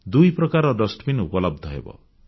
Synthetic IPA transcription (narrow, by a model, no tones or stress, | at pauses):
d̪ujpɾɔkaɾɔɖɔsʈbinupɔlɔb̚d̪ʱɔɦḛbɔ̰